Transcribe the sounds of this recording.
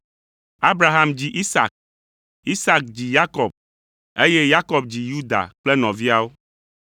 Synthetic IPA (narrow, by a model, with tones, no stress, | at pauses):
a˦bɾa˨ɦa˨md͡ʑi˨ʔi˦sa̰˨k̚ | i˦sa˦k̚d͡ʑi˨ja˦kɔ˨b̚ | e˦je˦ja˦kɔ˨b̚d͡ʑi˨ju˦d̪a̰˨k͡ple˦nɔ̃˨vi˦a˦wo˦